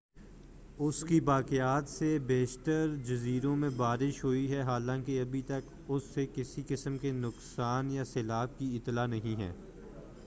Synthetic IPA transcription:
ʊskibaːkeaːt̪sebeːʃt̪əɾd͡ʒɐziːɾõmẽbaːɾɪʃɦoiɦɛɦaːlãːkeɐbʱit̪ɐk | ʊsːekɪsikɪsəmkenʊksaːnjaseːlaːb̚kiɪt̪ːlanɐɦĩɦɛ̰ː

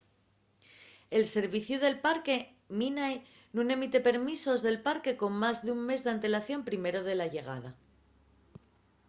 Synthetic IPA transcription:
e̞lse̞ɾβiθjuð̞e̞lpaɾke̞ | minaj | nune̞mit̪e̞pe̞ɾmiso̞zðe̞lpaɾke̞ko̞mmazðeuŋme̞zðeant̪e̞laθjo̞mpɾime̞ɾo̞ð̞e̞laʝe̞ɣ̞a̰ð̞a

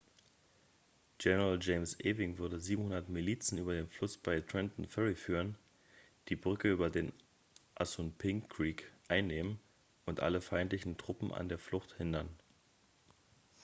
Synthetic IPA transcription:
ɡ̥ɛnəʁald͡ʒeɪmsʔeːvɪŋvʏɐdəziːbm̩hʊndɐtmiliːt͡sn̩yːbɐdeːnflʊsb̥aɪtʁ̥ɛntn̩fɛʁifyːʁən | d̥iːbʁʏkəyːbɐdeːn | ʔasʊnpʰɪŋkʁ̥iːkʔaɪnːeːmən | ʊntʔa̰ləfaɪntlɪçn̩tʁ̥ʊpm̩ʔa̰ndeːɐflʊxthɪndɐn

